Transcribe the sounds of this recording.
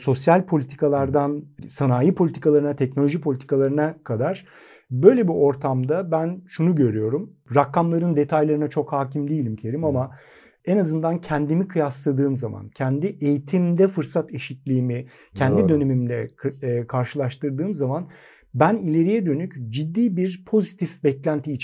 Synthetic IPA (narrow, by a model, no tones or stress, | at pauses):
so̞sjalʲpʰo̞lʲit̪ʰi̥kalˠaɾd̪ansanaːjipʰo̞lʲit̪ʰi̥kʰalˠaɾɯnat̪ʰɛcno̞lʲo̞ʒipʰo̞lʲit̪ikalˠaɾɯnakʰad̪aɾ̥ | bø̞jlʲebiʔo̞ɾt̪ʰamd̪abænʃunuɟø̞ɾyjo̞ɾumɾakːamlˠaɾɯnd̪et̪ʰajlˠaɾɯnat͡ʃʰo̞khaːcʰimd̪ijlʲimcʰeɾimama | enazɯnd̪ancʰɛnd̪imikʰɯjaslˠad̪ɯːmzama̰ncʰɛnd̪iʔejit̪ʰimd̪ɛfɯɾsat̪eʃit̪lʲiːmi | cʰɛnd̪id̪ø̞ne̞mimlʲɛ̰kʰaɾʃɯlˠaʃt̪ɯɾd̪ɯːmzaman | bænilʲe̞ɾijɛd̪ø̞nycd͡ʒid̪ːiːbiɾpʰo̞zit̪ʰifbɛclʲænt̪ʰiːt͡ʃ